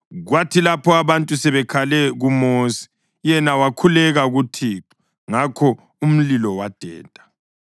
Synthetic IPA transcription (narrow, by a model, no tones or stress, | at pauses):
ɣwatʰilapʰɔaβantʼusɛβɛkʰalɛɣumoːsi̥ | jɛnawakʰulɛɣaɣutʰiːǃɔ̥ | ŋakʰɔ | um̩lilɔwad̥ʱɛ̰ːtʼḁ